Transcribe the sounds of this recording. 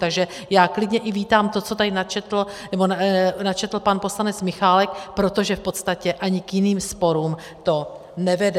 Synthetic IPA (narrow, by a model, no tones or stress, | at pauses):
t̪aɡʒɛ | jaːklɪdɲɛʔɪviːt̪aːmt̪o̞t͡so̞t̪anat͡ʃɛt̪l̩nɛbo̞nat͡ʃɛt̪l̩panpo̞slanɛt͡smɪxaːlɛkpɾo̞t̪o̞ʒɛfpo̞t̪st̪acɛʔaɲɪkjɪniːmspo̞ɾuːm | t̪o̞ | nɛvɛdɛ